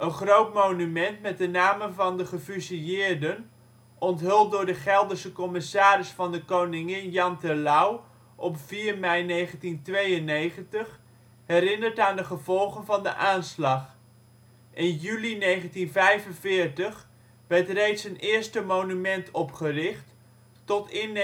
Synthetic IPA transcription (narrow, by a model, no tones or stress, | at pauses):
ʔənχrowtmownymɛntmɛt̚dənaːmənvɑndəχəfysijɪːɹdən | ʔɔntɦɪlˠt̚dʊːɹdəχɛlˠdəɹsəkɔmɪsaːɾɪsfɑndəkownɪŋɪnjɑntəlaw | ʔɔpfiːɹmɛjnejχəntintʋejənːejχəntəχ | ɦɛɾɪnəɹtaːndəχəvɔlˠχənvɑndəʔaːnslɑχ | ʔɪnjylinejχəntinvɛjvənvɪːɹtəχ | ʋɛɹtrejtsənɪːɹstəmownymɛntʰɔpχərɪχtː | ɔtɪn